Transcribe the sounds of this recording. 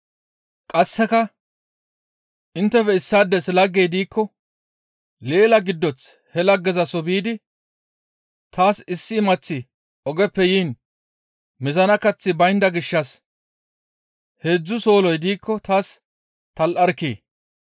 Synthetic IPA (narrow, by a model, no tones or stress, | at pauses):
kʼɐsːɛkɐ | ʔɪnt̪ːɛfɛɪsːaːd̪ːɛsɪlɐɡːejd̪iːkʰːɔ | le̞ːlɐɡɪd̪ːɔt͡s | hɛlɐɡːɛzɐsɔbiːd̪ɪ | t̪aːsɪsːɪːmɐt͡sːɪ | ʔɔɡɛpːɛjiːn | mɪzɐnɐkɐt͡sːɪbɐjnd̪ɐɡɪʃːɐs | he̞ːd͡zːʊso̞ːlɔjd̪iːkʰːɔt̪aːs | t̪ɐlʔɐɾkːḛː